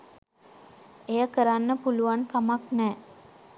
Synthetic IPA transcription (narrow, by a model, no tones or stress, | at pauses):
ejəkəɾanːəpuluʋankamaknɛː